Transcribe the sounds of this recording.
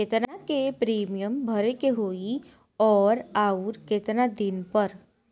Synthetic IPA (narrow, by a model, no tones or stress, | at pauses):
keːt̪nakepɾiːmijəmbʱəɾekeɦoːi | ɔːɾaːuːɾkeːt̪nad̪inpəɾ